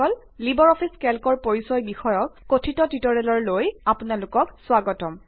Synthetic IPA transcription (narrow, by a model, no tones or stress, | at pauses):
ɔl | libɔɹɔpʰiskɛlkɔɹpoɹisɔjbixɔjɔkːotʰitɔtitɔɹɛlɔɹlojapunalʊkɔkswaɡɔtɔm